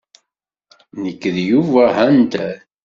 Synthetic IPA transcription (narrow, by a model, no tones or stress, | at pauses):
nəkːəðjuvæɦænt̪æ